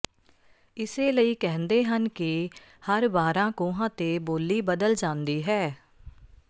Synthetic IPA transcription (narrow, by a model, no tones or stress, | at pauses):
ɪseːləiːkɛɦə̃nd̪eːɦənkɪ | həɾbaːɾãːkõːɦãːt̪eːboːlːiːbəd̪əld͡ʒãːnd̪iːɦɛː